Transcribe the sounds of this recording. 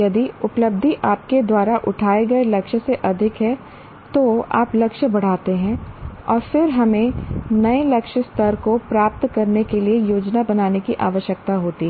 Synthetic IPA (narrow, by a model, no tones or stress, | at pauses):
jɐd̪iʊpləb̚d̪ʱiʔaːp̚ked̪waːɾaʔʊʈʰaːeɡɐelɐkʃseʔɐd̪ʱɪkɦɛ̃ | t̪oa̰ːplɐkʃbɐɽ̤aːt̪eɦɛ̃ːɔːɾfɪɾɦɐmẽnɐelɐkʃəst̪ɐɾkopɾaːp̚t̪kɐɾnekeliejoːd͡ʒnabɐnaːnekiʔaːʋəʃjək̚t̪aɦoːt̪iɦɛ